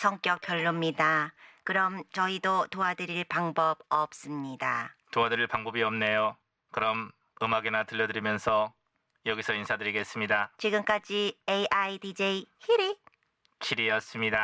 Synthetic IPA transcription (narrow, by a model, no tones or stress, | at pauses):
sʰʌŋk͈jʌk̚k͈jʌɭːomɲidakɯɾʌmt͡ɕʌidotoadɯɾiɭpaŋbʌbʌp̚s͈ɯmɲidatoadɯɾiɭpaŋbʌbiʌmne̞jo | kɯɾʌm | ɯmaɡinatɯʎːʌdɯɾimjʌnsʰʌ | jʌɡisʰʌinsʰadɯɾiɡe̞s͈ɯmɲidat͡ɕiɡɯmk͈ad͡ʑiejʔaidid͡ʑeihiɾi | kʰiɾiʌs͈ɯmɲida